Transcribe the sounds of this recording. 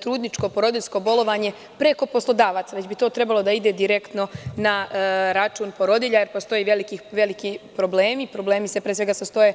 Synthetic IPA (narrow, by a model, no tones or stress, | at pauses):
t̪ɾuːd̪nit͡ʃko̞poɾo̞d̪iʎʲsko̞bo̞lo̞ʋaːɲe̞ | pɾe̞ko̞po̞slˠo̞d̪aːʋaːt̪saʋed͡ʑbit̪o̞ːt̪ɾe̞balˠod̪aid̪e̞d̪iɾekt̪no̞naɾat͡ʃuːnpo̞ɾo̞d̪iʎaje̞ɾpost̪o̞jiʋelikiːʋelikipɾo̞bleːmipɾo̞ble̞ːmise̞pɾeseɡasast̪o̞je